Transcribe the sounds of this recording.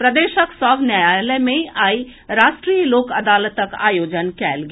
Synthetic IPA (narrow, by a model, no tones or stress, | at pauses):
pɾəd̪eːʃəksəbʱnjajaləmẽaːi | ɾaːʃʈɾijəloːkəd̪aːlət̪əka̰ːjoːd͡ʒənkɛ̰ːlɡe